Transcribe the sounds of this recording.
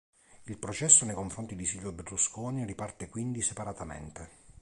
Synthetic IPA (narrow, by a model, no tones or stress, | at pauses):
ilpɾot͡ʃɛsːonejkoɱfɾont̪id̪isiʎːoberluskoːniripart̪ekwind̪isepaɾat̪amḛnt̪e